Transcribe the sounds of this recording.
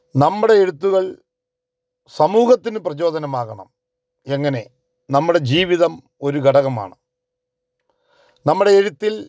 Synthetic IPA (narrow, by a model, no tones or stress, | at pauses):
nɐmːuɽe̞ːɻut̪ːuɣɐɭ | sɐmuːɣɐt̪ːinɨprɐt͡ɕo̞ːd̪ɐnɐmaːɣɐɳɐ̰m | e̞ŋːɐne̞ | nɐmːuɽe̞d͡ʑiːʋiðɐm | o̞ɾuɡʱɐɽɐɣɐma̰ːɳɨ | nɐmːuɽe̞ːɻut̪ːil